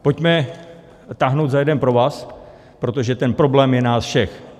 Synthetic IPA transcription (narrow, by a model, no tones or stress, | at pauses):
po̞cmɛ | t̪aɦnowt̪zajɛdɛnpɾo̞vaːs | pɾo̞t̪o̞ʒɛt̪ɛnpɾo̞blɛːmjɛnaːsfʃɛx